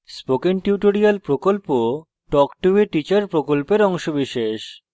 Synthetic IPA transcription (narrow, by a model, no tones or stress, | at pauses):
spokiŋʈjuʈoɾialpɾokolpo | ʈɔkʈueʈit͡ɕaɾpɾokolpeɾɔŋʃobiʃeʃ